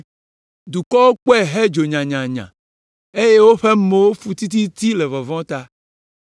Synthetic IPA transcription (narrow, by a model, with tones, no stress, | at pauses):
d̪u˨kɔ˦wo˦k͡po˦ɛ˦˨ɦe˦d͡ʒo˨ɲã˨ɲã˨ɲã̰˨ | e˦je˦wo˦ɸe˦mẽ˨wo˦fu˦t̪i˦t̪̬i˦t̪i˦le˨vɔ˨vɔ̃˦t̪a˦